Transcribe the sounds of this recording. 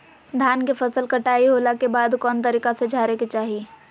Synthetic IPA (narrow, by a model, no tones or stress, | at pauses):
d̪ʱaːnkepʰɐsəlkɐʈaːiɦoːlakebaːd̪kɔːnt̪əɾiːkased͡ʒʱaːɾeket͡ʃaːɦi